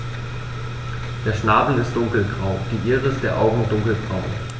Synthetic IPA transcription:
d̥eːɐʃnaːbl̩ɪstd̥ʊŋkl̩ɡ̥ʁaʊd̥iːʔiːʁəɪstd̥eːɐʔaʊɡŋ̩dʊŋkl̩ɡ̥ʁaʊ

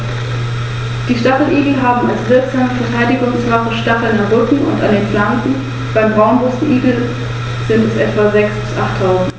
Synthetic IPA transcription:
d̥iːʃtaχl̩ʔiːɡl̩ɦaːbm̩a̰lsv̥ɪɐkz̥aːməfɛɐtʰaɪdɪɡʊŋsvaːfəʃtaχl̩deːʁʏkŋ̩ʊ̰nta̰ndeːnflansn̩ | b̥aɪmbʁaʊnbʊsn̩ʔiːɡl̩ | z̥ɪntɛsʔɛtv̥azɛksb̥ɪsʔaχtʰːaʊzn̩t

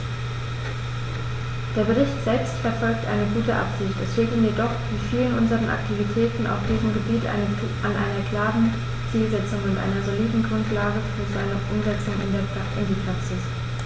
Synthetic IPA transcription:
d̥eːɐbəʁ̞ɪçtz̥ɛlpstfɛɐfɔlk̚tʔa̰ɪnəɡuːtəʔa̰pz̥ɪçtɛsʁeːɡl̩njedɔχv̥iːfiːlənʔʊnzəʁənʔa̰ktʰivitʰɛːtn̩a̰ʊfd̥iːzəmɡəbiːt | ʔanʔa̰ɪnɐkl̥aːʁən | t͡siːlzɛt͡sʊŋʊntʔa̰ɪnɐzoliːdn̩ɡʁʊntlaːɡəfyːɐzaɪnəχʔʊmzɛt͡sʊŋɪ̰ndeːɐpaɪ̰ndiːpʁ̥aksɪs

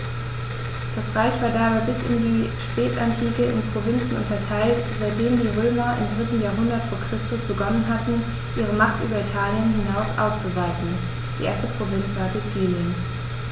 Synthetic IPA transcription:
d̥asʁaɪçv̥aːɐdaːbaɪbɪsɪ̰ndiːʃpɛːtʔantʰiːkəɪ̰npʁ̥ovɪnt͡sn̩ʔʊ̰ntɐtʰaɪltz̥aɪt̚d̥eːmdiːʁøːmɐʔɪ̰mdʁɪtn̩jaːɐɦʊndɐtfoːɐkʁ̥ɪstʊsb̥əɡɔnənɦatn̩ | ʔiːʁ̞əmaχtʔy̰ːbɐitʰaːljənɦɪnaʊsʔa̰ʊst͡suvaɪtn̩ | d̥iːʔḛːɐstəpʁ̥ovɪnt͡sv̥aːzet͡siːljən

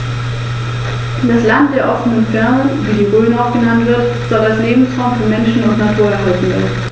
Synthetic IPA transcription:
d̥aslant̚d̥eːɐʔɔfənənfɛɐnənviːdiːʁoːlnaʊfɡ̥ənantv̥ɪɐtz̥ɔldasleːbm̩sʁaʊmfɔɐmɛnʃn̩ʊntnatʰuːɐɛɐɦaltn̩ɪ̰

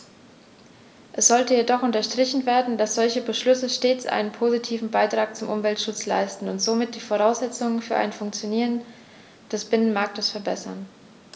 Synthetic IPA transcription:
ʔɛsz̥ɔltəjedɔχʔʊntɐʃtʁ̥ɪçn̩veːɐdn̩dasz̥ɔlçəbəʃlʏsəʃteːt͡sʔa̰ɪnənpʰoːzitʰiːvn̩baɪtʁ̥aːk̚t͡sʊmʔʊmvɛltʃʊt͡sla̰ɪstn̩ʊntz̥oːmɪt̚d̥iːfoʁ̞aʊsz̥ɛt͡sʊŋənfyːɐʔa̰ɪnfʊŋkt͡sjoniːʁən | d̥ɛsb̥ɪnənmaɐk̚təsfɛɐbɛsɐ̰n

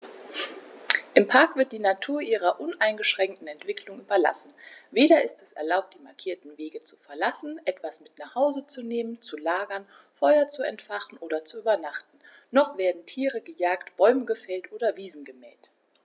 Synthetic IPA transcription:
ʔɪmpʰaɐkv̥ɪɐt̚d̥iːnatʰuːɐʔiːʁɐʔʊnʔaɪnɡəʃʁ̥ɛŋk̚tn̩ɛntv̥ɪklʊŋʔyːbɐla̰sn̩veːɾɐɪstɛsɛ̰ɐlaʊp̚td̥iːmaɐkʰiːɐtn̩veːɡət͡su̥fɛɐlasn̩ʔɛtv̥asmɪtnaχhaʊzət͡suneːmənt͡sulaːɡɐn | fɔʏɐt͡suɛ̰ntfaχn̩ʔoːdɐt͡suyːbɐnaχtn̩ | nɔχv̥eːɐdn̩tʰiːʁəɡəjaːktb̥ɔʏməɡəfɛltʔoːɾɐviːzn̩ɡəmɛ̰ːlt

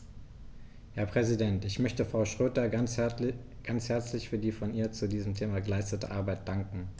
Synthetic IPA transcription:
hɛɐpʁ̥ɛzidɛntɪçmœçtəfʁ̥aʊʃʁ̥øːtɐa | ɡ̥ant͡shɛɐt͡slɪçfyːɐdiːfɔnʔiːɐt͡sudiːzəm̩tʰeːmaːɡəlaɪstətə̰ʔaɐbaɪt̚d̥aŋkŋ̩

